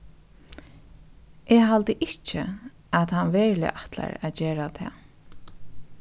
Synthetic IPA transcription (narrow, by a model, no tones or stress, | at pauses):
ʔɛɦalt̪əʔɪht͡ʃɪ̰ | aðhanʋɛːɹlɪ̰ʔat̪la̰ɾaðd͡ʒeːɹat̪ʰɛː